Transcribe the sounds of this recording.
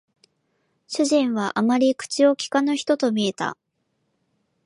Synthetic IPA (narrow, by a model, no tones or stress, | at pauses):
ɕɨʑĩɰ̃βaʔamaɾʲikɯ̟̥t͡ɕio̞kʲi̥kanoçi̥t̪o̞t̪o̞mʲie̞t̪a̰